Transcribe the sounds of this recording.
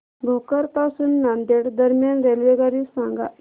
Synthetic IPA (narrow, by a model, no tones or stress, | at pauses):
ɡʱokəɾpasunːand̪eɽd̪əɾmjanɾelʋeɡaɾisãŋɡa̰